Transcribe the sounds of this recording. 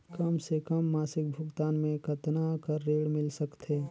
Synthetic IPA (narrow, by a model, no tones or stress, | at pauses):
kɐmsekɐmːaːsɪk̚bʱʊɡt̪aːnmẽkɐt̪nakəɾːeːɽmɪlsəkt̪ʰeː